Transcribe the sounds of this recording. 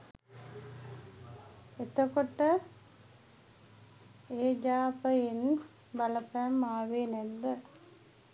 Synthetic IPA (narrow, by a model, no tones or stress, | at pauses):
et̪əkoʈə | eːd͡ʒaːpəen | baləpɛmːaːʋeːnɛd̪ːə